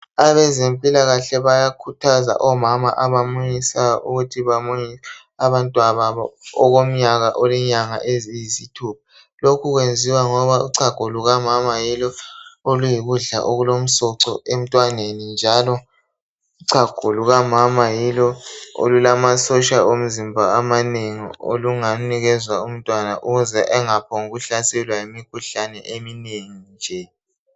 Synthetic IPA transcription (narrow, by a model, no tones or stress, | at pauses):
aβɛzempʼilaɣaɬɛβajakʰutʰaza̰ʔɔmama̰ʔaβamuɲisaʔuɣutʰiβamuɲia | aβantʼwaβaβɔɔɣom̩ɲaɣaʔɔlɛɲaŋa̰ʔezizitʰup̚ʰḁ | lokʰuɣwend͡zʱiwaŋɔβauǀaɡ̥ʱuluɣamamajilɔolujiɣuɮa̰ʔoɣulom̩sɔǀɔem̩tʼwanenind͡ʒʱalɔ | uǀʰaɡ̥ʱoluɣamamajilɔo̰lulamasɔʃalom̩zimbʱaamaneŋḭo̰luŋaniɣɛzwaum̩tʼwanaʔuɣuzɛʔɛŋapʰɔŋuɣuɬasɛlwajimikʰuɬanɛ̰ʔemineŋind͡ʒʱɛ